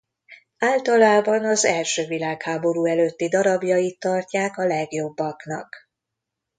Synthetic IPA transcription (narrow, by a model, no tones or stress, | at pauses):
aːlt̪ɒlaːbɒnɒzɛlʃøːvilaːkhaːbo̞ɾuːɛløːt̪ːid̪ɒɾɒbjɒjit̪ːɒrcaːkɒlɛɡjo̞bːɒknɒ̰k